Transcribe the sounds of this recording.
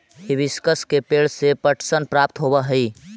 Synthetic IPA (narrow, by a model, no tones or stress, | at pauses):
ɦibiskəskepeɭsepəʈʰsənpɾapt̪ɦobəɦəi